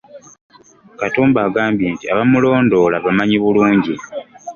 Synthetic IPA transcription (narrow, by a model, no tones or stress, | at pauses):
katuːmbaːɡaːmbjeːntia̰βamulo̞ːndo̞laβamaɲiβuluːɲɟi